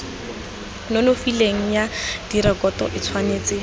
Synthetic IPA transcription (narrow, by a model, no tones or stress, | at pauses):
nɔnofileŋ̩jad̥iɾɛkɔtɔ̰ʔɪt͡sʰwaneːt͡sɪ